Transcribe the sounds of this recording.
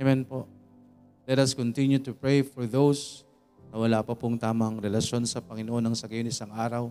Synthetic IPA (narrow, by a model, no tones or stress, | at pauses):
mɛnpoʔ | lɛt̪ɐskɔnt̪ɪnjut̪upɹejfɔɹðows | nɐwɐlaːpɐpʊŋt̪aːmɐŋɾɛlɐʃo̞nsɐpɐŋɪnoʔo̞nɐŋsɐɡɐjonʔɪsaŋʔaːɾɐw